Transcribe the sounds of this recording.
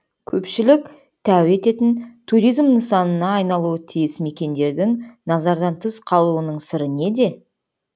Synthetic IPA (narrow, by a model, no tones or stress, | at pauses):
kʲʰɵpʃɪlɪk | t̪ʰæwe̞t̪e̞t̪ɪnt̪ʰuɾijzmnəsɑnənɑːjnɑlˠuət̪ʰijɪsme̞kʲe̞nd̪e̞ɾd̪ɪŋnɑzɑɾd̪ɑnt̪ʰəzqʰɑlˠuwənəɴsɪɾɪne̞d̪e̞